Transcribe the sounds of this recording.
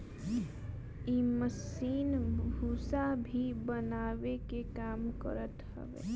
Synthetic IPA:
iːməsiːnbʱuːsabʱibənaːʋekekaːmkə̰ɾət̪hə̰ʋḛː

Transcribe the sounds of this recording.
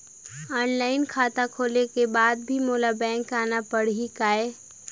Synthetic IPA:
ɔːnlaːɪnkʰaːt̪akʰoːlekebaːd̪̚bʱimoːlabɛ̃ːŋkaːnapəɽɦikaːeː

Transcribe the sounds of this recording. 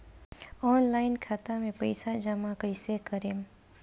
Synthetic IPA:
ɔːnlaːɪnkʰaːt̪amẽpə̰ɪsad͡ʒamakəɪsekəɾeːm

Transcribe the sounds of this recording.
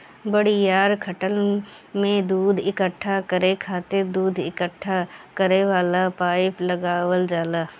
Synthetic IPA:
bəɽijaːɾkʰəʈəl | mẽd̪uːd̪ʱɪkəʈʰːakəɾekʰaːt̪ed̪uːd̪ʱɪ̰kəʈʰːakəɾeʋaːlapaːɪpləɡaːwəld͡ʒaːlaː

